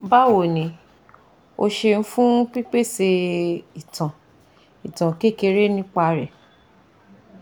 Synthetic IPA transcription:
ba˦wo˨nĩ˨˦ | o˧ʃe˧n̩˦fũ˦k͡pi˦k͡pe˦˨se˧i˨tʰã˨ | i˨tã˨ke˦˨ke˧ɾe˦nĩ˦k͡pa˧ɾɛ˨

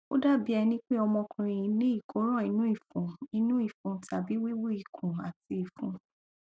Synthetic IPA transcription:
o˦da˦˨bi˦ɛ˧nĩ˦k͡pe˦ɔ˧mɔ̃˧kʰũ˧ɾ̃ĩ˨i˧˦nẽ˦i˦˨kʰo˨˦ɾ̃ɔ̃˦˨i˨˧˦nũ˦i˦˨fũ˨˦i˧nũ˦i˦˨fũ˨˦ta˨bi˨˦wi˦wo˦i˨kʰũ˨a˨ti˧i˨fũ˨˦

